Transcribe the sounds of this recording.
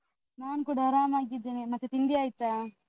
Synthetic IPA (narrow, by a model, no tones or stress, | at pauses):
naːnkuːɽaɾaːmaːɡid̪ːeːnemɐt̪ːet̪ind̪iaːjit̪ːaː